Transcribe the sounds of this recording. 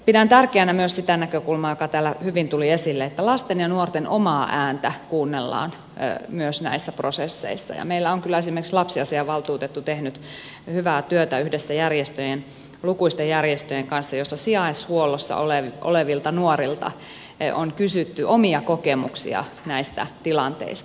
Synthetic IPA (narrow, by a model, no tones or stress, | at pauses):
pidænt̪ærkeænæmyøssit̪ænækøkulmɑːjokɑt̪æːlːæhyʋint̪uliesilːeet̪ːælɑst̪enjɑnuort̪enomɑːʔæːnt̪ækuːnːelːɑ̰ːn | myøsnæ̰isːæprosesːḛisːɑ̰jɑ̰meilːæoŋkylːæesimerkslɑpsiɑsiɑʋɑlt̪uːt̪et̪ːut̪ehnyt̪ | hyʋæːt̪yøt̪æyhdesːæjærjest̪øjen | lukuist̪ejjærjest̪øjeŋkɑnsːɑjosːɑsiɑishuolosːɑ̰oleʋʔo̰leʋilt̪ɑnuorilt̪ɑ̰ | o̰nkysyt̪ːyʔomiɑkokemṵksḭɑ̰næist̪æ̰t̪ilɑnt̪ḛist̪ɑ̥